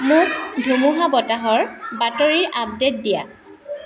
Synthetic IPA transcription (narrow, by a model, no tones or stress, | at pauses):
mʊkdʱumuɦabɔtaɦɔɹbatɔɹiɹʔap̚det̚dija